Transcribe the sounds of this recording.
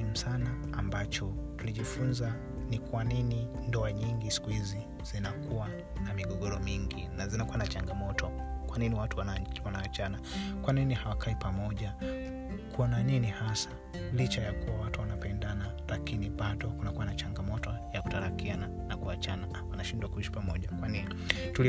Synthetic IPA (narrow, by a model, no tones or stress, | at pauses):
im̩sanaːmbat͡ʃɔtuliʄifunza | nikwaninindɔaɲiŋɡisi̥kuhizi | z̥inakuwa | namiɠɔɡɔɾɔmiŋɡinazinakuwanat͡ʃaŋɡamɔtʰɔkwaniniwatuwawanaat͡ʃanakwaninihawakaipamɔʄa | kuɔnaninihasḁ | lit͡ʃajakuwawatuwanapɛndanalakiniɓaɗɔkunakuwanat͡ʃaŋɡamɔtɔjaku̥taɾakiana | nakuat͡ʃana | wanaʃindwakuiʃi̥pamɔʄakwanini | tuli